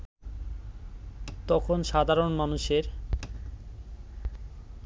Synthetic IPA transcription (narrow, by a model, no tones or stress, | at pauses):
t̪ɔkʰonʃad̪ʱaɾonmanuʃeɾ